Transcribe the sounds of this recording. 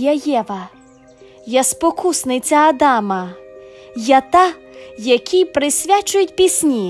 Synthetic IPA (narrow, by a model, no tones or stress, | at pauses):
jɐjɛʋɐ | jɐspɔkʰusnɪt͡sʲɐːd̪ɑmɐ | jɐt̪ɑ | jɐkʲʰijpɾɪsʲʋʲat͡ʃʊjʊt̚ʲpʲisʲnʲi